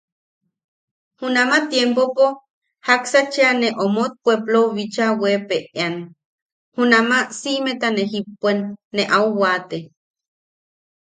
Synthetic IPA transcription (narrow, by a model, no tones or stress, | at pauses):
hunamat̪jempopo | haksat͡ʃeaneʔomot̪̚pweploβit͡ʃawepeʔean | hunamasimet̪aneɦipːwenːeʔauwat̪e